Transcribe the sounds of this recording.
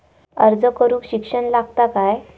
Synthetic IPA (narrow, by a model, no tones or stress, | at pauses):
əɾd͡zəkəɾuːkɕikʂənlaɡt̪akaj